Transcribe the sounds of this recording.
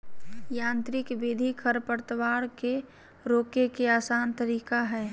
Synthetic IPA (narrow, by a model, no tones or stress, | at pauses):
jãːnt̪ɾɪkbeːd̪ʱikʰəɾpəɾt̪əʋaːɽke | ɾoːkekeaːsaːnt̪əɾiːkaɦɛː